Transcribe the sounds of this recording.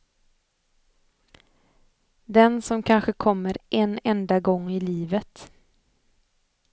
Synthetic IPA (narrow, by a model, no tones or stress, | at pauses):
d̪ɛnsɔmkʰanɧəkʰɔmːəɾʔɛnɛnd̪aɡɔŋːɪliːvət̪